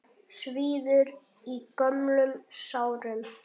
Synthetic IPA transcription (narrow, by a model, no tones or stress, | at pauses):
sviːðʏɾ | ikœmlʏmsaːwɾʏm